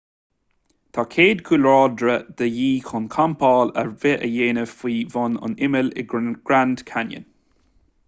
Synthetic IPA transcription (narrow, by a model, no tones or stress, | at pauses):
t̪ʰaːkʰeːd̪kʰuːlɔːd̪ɾəd̪əjiːxʰʊnkʰampʰɑːlə̰ɹvɛʔəjeːnəfiːvɔnʊ̰nɪmɪlɪ̰ɡ̥ɾand̪̥kʰanjə̰n